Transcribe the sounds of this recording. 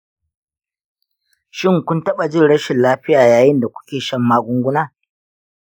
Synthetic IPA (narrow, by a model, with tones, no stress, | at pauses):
ʃɪ˦ŋkʷʊ˦ntɐ˦ɓa˨d͡ʒɪ˦nɽɐ˦ʃɪ˨nlaː˦ɸɪ˦jaː˨jaː˨jɪ˦nda˨kʷʊ̥˦kʲeː˨ʃɐ˦mːaː˦ɡʷʊ˦ŋɡʷʊ˦naː˦˨